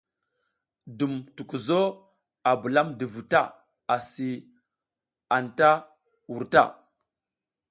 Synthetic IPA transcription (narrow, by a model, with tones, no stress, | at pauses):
du˨mtu˨ku˨zo˦ | a˨bu˨la˦mdə˨vu˨ta˦˨ | a˨si˨ | a˨nta˦ | wu˨ɾta̰˦˨